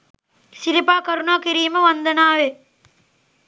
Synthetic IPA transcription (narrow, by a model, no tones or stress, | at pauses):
sɪɾɪpaːkɐɾʊnaːkɪɾiːmɐʋɐnd̪ɐnaːʋeː